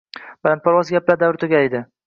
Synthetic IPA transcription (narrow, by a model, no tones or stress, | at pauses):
balant̪̚pʰɒɾwɒzɡʲaplaɾd̪avɾɪt̪ʰʊɡʲaed̪ɪ